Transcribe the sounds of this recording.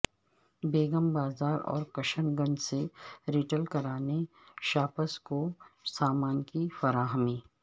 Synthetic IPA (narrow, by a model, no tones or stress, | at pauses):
beːɡəmbaːzaːɾɔ̰ːɾkɐʃənɡɐ̃nseɾiʈəlkɐɾaːne | ʃaːpəskosaːmaːnkifɐɾaːɦmiː